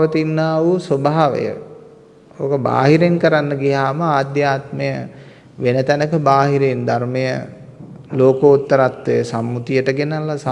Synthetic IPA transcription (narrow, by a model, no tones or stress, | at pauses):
ət̪inːaːʋusobaɦaʋə̰jə̰ | oːkəba̰ːɦiɾeŋkəɾanːəɡiɦaːməaːd̪jaːt̪məjə | ʋenət̪ænəkəbaːɦiɾend̪armejə | loːkəut̪ːəɾat̪ːejəsamːut̪ijəʈəɡenalːas